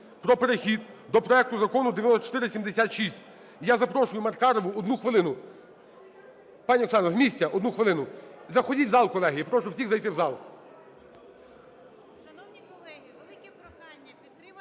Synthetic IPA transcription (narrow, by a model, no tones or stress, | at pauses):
pɾɔpeɾexʲid̪̚ | d̪ɔpɾɔɛk̚t̪ʊzɐkɔnʊd̪ejnɔsɔt͡ʃɔ̥t̪ɪɾɪsʲimd̪esʲat̪ʃisʲtʲ | jazɐpɾɔʃʊjʊmɐrkɑɾɔʋʊɔd̪nuxʋɪlˠɪnʊ | pɑnʲiɔksɑnɾɐzmʲisʲtʲɐʔɔd̪nuxʋɪlˠɪnʊzɐxɔdʲizɑlˠkɔlˠɛɦijipɾɔʃʊwsʲixzɐjt̪ɪwzɑlˠ